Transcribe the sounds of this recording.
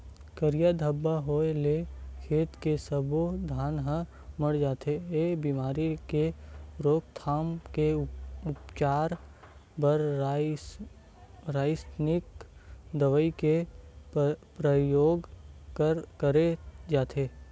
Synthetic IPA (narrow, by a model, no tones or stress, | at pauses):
kəɾijad̪ʱəbːaɦoːelekʰeːt̪kesəbod̪ʱaːnɦə̃ | məɽd͡ʒaːt̪eebiːmaːɾikeɾoːk̚t̪ʰaːmkeʊpt͡ʃaːɾ | bəɾ | ɾaːɪsnɪkd̪əʋəike | pɾəjoːɡkəkəɾed͡ʒaːt̪ʰeː